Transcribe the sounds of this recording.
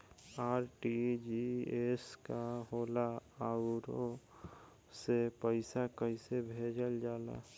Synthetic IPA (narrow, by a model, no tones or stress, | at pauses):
aːɾʈid͡ʒieskaɦoːlaaʊɾo | sepəɪsakəisebʱeːd͡ʒəld͡ʒaːla̰